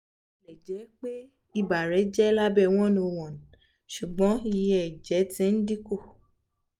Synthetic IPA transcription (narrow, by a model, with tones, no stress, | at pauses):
lɛ˨d͡ʒɛ˨˦k͡pe˦ | i˦˨ba˨ɾɛ˨˦d͡ʒɛ˦la˦bɛ˦˨w̃ɔ̃˦no˧˨w̃ɔ̃˨n̩˨ | ʃu˨ɡ͡bɔ̃˨˦i˧jɛ˨d͡ʒɛ˨˦tĩ˧˦n̩˦di˦ko˦˨